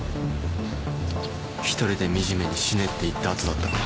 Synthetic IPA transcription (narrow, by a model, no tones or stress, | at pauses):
çi̥t̪o̞ɾʲid̪e̞mʲiʑime̞ɲ̟iɕine̞t̪ːe̞it̪ːaːt͡sɨd̪at̪ːa